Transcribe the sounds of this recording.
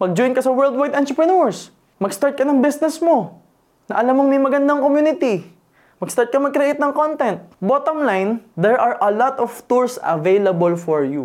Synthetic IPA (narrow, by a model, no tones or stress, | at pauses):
mɐɡ̚d͡ʒɔjnkɐsɐwɛɹld̪̚wajd̪ɐnt̪ɾɪpɹɐnoɹs | mɐɡst̪aɹt̪̚kɐnɐŋbɪsnɛsmo̞ | nɐʔɐlamːoŋmɐjmɐɡɐnd̪aŋkomjuːnɪt̪i | mɐɡ̥st̪aɹt̪̚kɐmɐɡ̚kɾɐʔɪt̪̚nɐŋkont̪ɛnt̪̚bot̪omlajnd̪ɛɹʔɐɹʔɐlɔt̪ɔv̥t̪uɹsɐ̰vejlɐbolfɔɹju